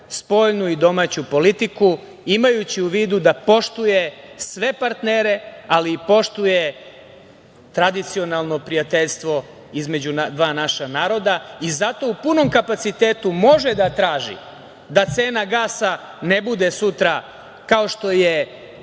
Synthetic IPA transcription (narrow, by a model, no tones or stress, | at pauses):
spo̞ːʎnuid̪o̞mat͡ɕupo̞lit̪iku | imajut͡ɕiuʋiːd̪ud̪apo̞ʃt̪ujesʋe̞paɾt̪neɾe̞aliːpo̞ʃt̪uje | t̪ɾad̪it̪sio̞nalˠno̞pɾijat̪eʎst̪ʋo̞ | izme̞d͡ʑund̪ʋaːnaʃanaːɾo̞d̪aizat̪o̞upuno̞mkapat̪sit̪eːt̪umo̞ʒed̪at̪ɾaːʒḭ | d̪at̪se̞ːnaɡaːsa | ne̞bud̪esut̪ɾa | kaoʃt̪o̞je